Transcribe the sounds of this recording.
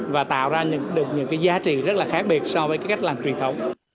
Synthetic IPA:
vaː˨˩t̪a̰ː˧˨wzaː˧ɲɨ̰˧˥ŋɗɨ˨˩ək̚ɲɨ̰˧˥ŋkaː˨˦jzaː˨˦t͡ɕḭ˧˨zə˦˥t̚laː˨˩xaː˦˥k̚ɓi˨˩ət̚sɔ˧vəː˨˦jkaː˨˦jka˦˥jk̟̚laː˨˩mt͡ɕwi˨˩ənt̪ʰə˨˦wŋ͡m

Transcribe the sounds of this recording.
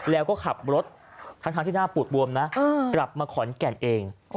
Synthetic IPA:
lɛː˦˥wkɔː˥˩kʰa˨˩p̚ɾo˦˥t̪̚ | t̪ʰːa˦˥ŋt̪ʰa˦˧ŋt̪ʰi˥˩naː˥˩pu˨˩t̪̚bu˧əmnaː˦˥˧kla˨˩p̚maː˧kʰɔː˩˦nkɛ˨˩nʔeː˧ŋ

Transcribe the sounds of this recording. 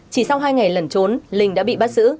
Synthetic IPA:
t͡ɕi˧˩sa˧wɦaː˧jŋa˨˩jlə˨˩nt͡ɕo˨˦nlï˨˩ŋ̟ɗa̰ː˧˥ɓḭ˧˨ɓa˦˥t̚z̥ɨ̰˧˥

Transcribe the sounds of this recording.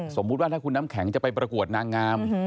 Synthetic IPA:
so˩˦mːu˦t̪̚waː˥˩aː˥˩kʰu˧nːaː˦˥mkʰɛ˩˦ŋt͡ɕa˨˩pa˧jpɾa˧ku˨˩ət̪̚naː˧ŋːaː˧m

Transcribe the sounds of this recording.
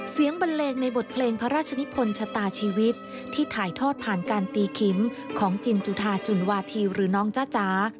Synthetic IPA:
si˩˦əŋba˧nleː˧ŋna˧jbo˨˩t̪̚pʰleː˧ŋpʰa˦˥ɾaː˥˩t̪̚t͡ɕʰa˧ni˦˥pʰo˧nt͡ɕʰa˧t̪aː˧t͡ɕʰiː˧wi˦˥t̪̚ʰːiː˥˩t̪ʰaː˩˦jt̪ʰɔː˥˩t̪̚pʰaː˨˩nkaː˧nt̪iː˧kʰi˩˦m | kʰɔː˩˦ŋt͡ɕi˧nt͡ɕu˧˩t̪ʰaː˧t͡ɕu˨˩nwaː˧t̪ʰiː˧ɾɯː˩˦nɔː˦˥ŋt͡ɕaː˥˩t͡ɕaː˩˦˥

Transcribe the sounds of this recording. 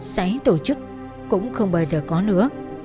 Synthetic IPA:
sa˨˦ŋt̪o˧˩t͡ɕɨ˦˥k̚ː | ʊ̰˧˥wŋ͡mxə˧wŋ͡mɓaː˧wzəː˨˩kɔ˨˦nɨ̰˧˥ə

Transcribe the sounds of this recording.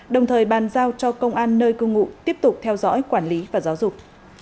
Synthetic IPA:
ɗə˨˩wŋ͡mt̪ʰəː˨˩jɓaː˨˩nzaː˧wt͡ɕɔ˧kə˧wŋ͡mʔaː˧nːəː˧jkɨ˧ŋṵ˧˨t̪i˦˥əp̚t̪ʊ˨˩k͡p̚t̪ʰɛ˧wzɔ̰˧˥jkwaː˧˩nli˨˦vaː˨˩zaː˨˦wzʊ˨˩k͡p̚

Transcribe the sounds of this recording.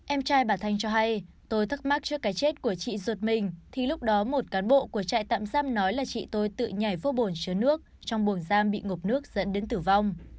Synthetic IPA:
ʔɛ˧mt͡ɕaː˧jɓaː˨˩t̪ʰa˧jŋ̟t͡ɕɔ˧ɦa˧j | t̪o˧jt̪ʰɨ˦˥k̚ma˦˥t̚t͡ɕɨ˦˥əkːaː˨˦jt͡ɕe˦˥t̚ku˧˩ət͡ɕḭ˧˨zt̚mï˨˩ŋ̟t̪ʰi˨˩lʊ˦˥k͡p̚ɗɔ˨˦mo˨˩t̚kaː˨˦nɓo̰˧˨ku˧˩ət͡ɕa̰ː˧˨jt̪a̰ː˧˨mzaː˧mnɔ˨˦jlaː˨˩t͡ɕḭ˧˨t̪o˧jt̪ɨ̰˧˨ɲa˨˩jfo˧˦ɓo˨˩nt͡ɕɨ˨˦nɨ˦˥ək̚t͡ɕɔ˧wŋ͡mɓu˨˩ənzaː˧mɓḭ˧˨ŋo˨˩p̚nɨ˦˥ək̚z̥ə̰˧˥nɗe˨˦nt̪ɨ˧˩va˧wŋ͡m

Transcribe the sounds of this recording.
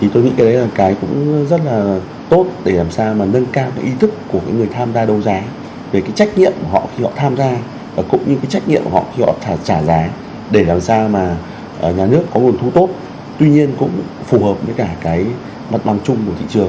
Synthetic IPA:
t̪ʰi˨˩t̪o˧jŋḭ˧˥kːa˨˦ɗə˨˦laː˨˩kaː˨˦jkʊ̰˧˥ŋ͡mzə˦˥t̚laː˨˩ | t̪o˦˥t̚ɗe˧˩laː˨˩msaː˧wmaː˨˩nə˧nkaː˧wkaː˨˦ʔi˧t̪ʰɨ˦˥kːu˧˩əkaː˨˦jŋɨ˨˩əjt̪ʰaː˧mzaː˧ɗə˧˩wzaː˨˦ | ve˨˩kaː˨˦jt͡ɕa˦˥jk̟̚ɲḭ˧˨əmku˧˩əɦɔ̰˧˨xi˧hɔ̰˧˨t̪ʰaː˧mzaː˧ | vaː˨˩kʊ̰˧˥ŋ͡mɲɨ˧kaː˨˦jt͡ɕa˦˥jk̟ɲḭ˧˨əmku˧˩ɔ̰˧˨xi˧hɔ̰˧˨t͡ɕaː˧˩t͡ɕaː˧˩zaː˨˦ | ɗe˧˩laː˨˩msaː˧wmaː˨˩˨ | ɲaː˨˩nɨ˦˥əkːɔ˨˦lu˨˩ənt̪ʰu˧t̪o˦˥t̚ | t̪wi˧ɲi˧ənkʊ̰˧˥ŋ͡mfu˨˩həː˨˩p̚məː˨˦jkaː˧˩kaː˨˦j | ma˨˩t̚ɓa˨˩ŋt͡ɕʊ˧ŋ͡mkt̪ḭ˧˨t͡ɕɨ˨˩əŋ

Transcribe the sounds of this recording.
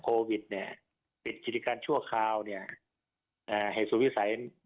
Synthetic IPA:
kʰoː˧wi˨˩t̪̚ni˧˩ɐ | pe˨˩nkiː˨˩li˧˥kaː˧nt͡ɕʰu˥˩ɐkʰaː˧wni˧˩ɐ | ʔaː˧˩ha˨˩jsuː˨˩wi˦˥sa˨˦j

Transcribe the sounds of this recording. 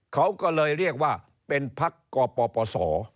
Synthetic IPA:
kʰa˦˥wkɔ˥˩lɤː˧jɾi˥˩ək̚waː˥˩ | pe˧npʰa˦˥kːɔː˧pɔː˧pɔː˧sɔː˩˦

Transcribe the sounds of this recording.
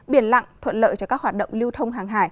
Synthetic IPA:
ɓi˨˩ənla̰˧˨ŋt̪ʰwə̰˧˨nlə̰ː˧˨jt͡ɕɔ˧kaː˦˥k̚hwaː˨˩t̚ɗə̰˧˨wŋ͡mli˧əwt̪ʰə˧wŋ͡mɦaː˨˩ŋɦaː˧˩j

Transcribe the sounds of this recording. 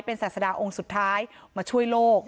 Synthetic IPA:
jpe˧nsaː˨˩t̪̚sa˧daː˧ʔo˧ŋsu˨˩t̪ʰːaː˦˥jmaː˧t͡ɕʰu˥˩əjloː˥˩k̚

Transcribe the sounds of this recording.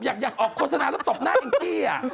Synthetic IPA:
jaː˨˩k̚jaː˨˩k̚ʔɔː˨˩kʰoː˥˩t̪̚sa˧naː˨˩lɛ˦˥wt̪o˨˩p̚naː˥˩ʔi˧ŋkiː˧˩a˨˩

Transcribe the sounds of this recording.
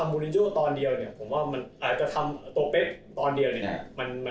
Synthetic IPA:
a˧mːuː˧li˧nt͡ɕoː˥˩t̪ɔː˧ndi˧əwni˥˩ɐpʰo˩˦mwaː˥˩ma˧nʔaː˨˩t̪̚t͡ɕa˨˩t̪ʰa˧mʔt̪u˧ɐpe˦˥t̪̚t̪ɔː˧ndi˧əwni˥˩ma˧nma˧

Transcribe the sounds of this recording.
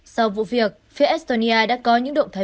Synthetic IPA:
sa˧wvṵ˧˨vi˨˩ək̚fi˨˧˦ʔɛ˦˥st̪o˧ni˧ʔaː˧ɗa̰ː˧˥kɔ˨˦ɲɨ̰˧˥ŋɗo̰˧˨ŋ͡mt̪ʰaː˨˦

